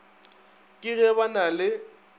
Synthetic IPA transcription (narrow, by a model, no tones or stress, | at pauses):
kʼɪɣɛβanalɪ